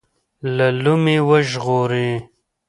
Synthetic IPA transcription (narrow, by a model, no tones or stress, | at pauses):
lalumewəʒɣoːɾẽ